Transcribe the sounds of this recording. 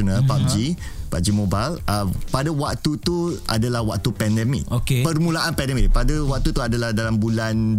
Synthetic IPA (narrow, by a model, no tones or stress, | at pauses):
ənə̃lpap̚d͡ʒipa̰ʔ̚d͡ʒimobaləpadawak̚t̪ut̪ua̰dalahwak̚t̪upɛndɛmḭk̚okepərmũlaʔanpɛndɛmik̚padawak̚t̪ut̪uadalahdalambulan